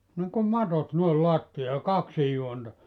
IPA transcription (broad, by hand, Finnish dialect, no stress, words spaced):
niŋkum mɑtot noel loɑtːijɑː jɑ kɑksij juontɑ